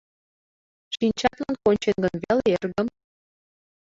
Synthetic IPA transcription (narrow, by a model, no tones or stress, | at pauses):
ʃint͡ɕɑt̪lɑnkonʲt͡ɕenɡə̆nβeleerɡə̆m